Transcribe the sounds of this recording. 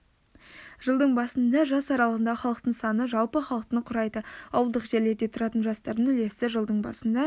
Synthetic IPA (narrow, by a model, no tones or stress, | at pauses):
ʒ̥əlˠd̪əɴbɑsənd̪ɑʒɑsɑɾɑlˠəʁənd̪ɑχɑlˠəqt̪əɴsɑnəʒɑwˠpəχɑlˠəq̚t̪əɴqʰʊɾɑjd̪əɑwəlˠd̪əqʒe̞ɾle̞ɾd̪e̞t̪ʰʊɾɑt̪ənʒɑst̪ɑɾd̪ənʏle̞st̪ɪʒəlˠd̪əɴbɑ̰sənd̪ɑ